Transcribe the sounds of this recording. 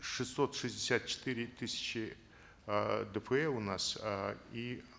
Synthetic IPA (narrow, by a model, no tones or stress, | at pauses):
ʂɨsːot̪ʂɨzʲdʲɪsʲat̪̚t͡ʃɪ̥t̪ɨɾʲɪt̪ɨsʲɪ̥t͡ɕɪ | d̪ɨpʰəɛʊnasi